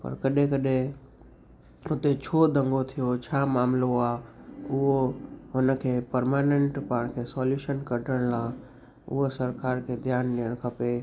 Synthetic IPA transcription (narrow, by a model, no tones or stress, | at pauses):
pə̰ɾkəɗẽkəɗẽ | ʊt̪et͡ʃʰoːd̪ə̃ŋɡot̪ʰijot͡ʃʰaːmaːmloaːʊɦoɦʊnəkʰeːpəɾmaːnẽɳʈpaːɽ̃kʰesɔːljuʃənkəʈəɽ̃lãː | ʊ̰ɦosəɾkaːɾkʰed̪ʱjaːnliəɽ̃kʰəpe